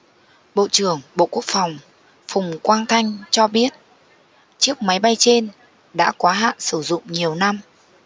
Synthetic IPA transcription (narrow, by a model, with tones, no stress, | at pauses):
ɓo̰˧˨t͡ɕɨ˧˩əŋɓo̰˧˨ku˦˥ək̚fa˨˩wŋ͡m | fʊ˨˩ŋ͡mkwaː˧nt̪ʰa˧jŋ̟t͡ɕɔ˧ɓi˦˥ət̚ | t͡ɕɨ˦˥ək̚ma˨˦jɓa˧jt͡ɕe˧n | ɗa̰ː˧˥kwaː˨˦ɦa̰ː˧˨nsɨ˧˩zʊ̰˧˨ŋ͡mɲi˨˩əwna˧m